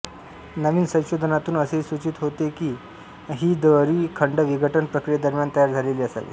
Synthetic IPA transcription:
nəʋiːnsə̃w̃ɕod̪ʱənat̪uːnəseisʋut͡ɕit̪ɦot̪ekiː | ɦiːd̪ʋəɾiːkʰəɳɖəʋiɡəʈənpɾəkɾijed̪əɾmjant̪əjaɾd͡zʱaleliːəsa̰lḭː

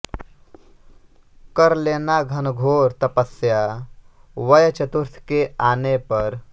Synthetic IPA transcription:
kɐɾleːnaɡʱɐnɡʱoːɾt̪ɐpəsja | ʋɐjt͡ʃɐt̪uɾt̪ʰkeaːnepɐɾ

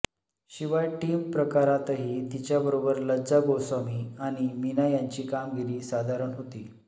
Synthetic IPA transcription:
ɕiʋajʈiːmpɾəkaɾat̪ɦit̪it͡ɕjabəɾobəɾləd͡zaɡowsamiːaɽ̃iminajaɲt͡ɕiːkamɡiɾiːsad̪ʱaɾəɳɦot̪iː

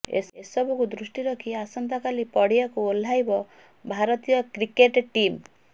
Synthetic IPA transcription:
ḛesɔbɔkud̪ɾusʈiɾɔkʰiasɔnt̪akalipɔɽiakuol̤ːajbɔ | bʱaɾɔt̪ijɔkɾikeʈʈim

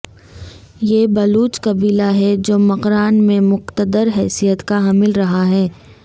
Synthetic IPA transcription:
jeːbɐluːt͡ʃkɐbiːlaɦɛd͡ʒoːmɐqɾaːnmẽmʊqt̪əd̪əɾɦɛːsijət̪kaɦɐmɪlɾɐɦaɦɛː

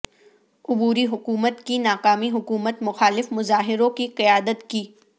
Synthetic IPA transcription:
ʊbuːɾiɦʊkuːmət̪kinaːkaːmiɦʊkuːmət̪mʊxaːlɪfmʊzaːɦɪɾõkiqɪjaːd̪ət̪kiː

